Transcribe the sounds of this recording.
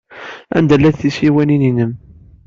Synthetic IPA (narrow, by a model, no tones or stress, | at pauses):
æ̰nd̪ælːæðθisiwænininəm